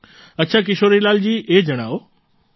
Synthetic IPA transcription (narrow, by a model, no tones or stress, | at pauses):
ɐtːɕʰak̬ɪʃoːɾilaːld͡ʑiːʔeːd͡ʑɐɽ̃aːo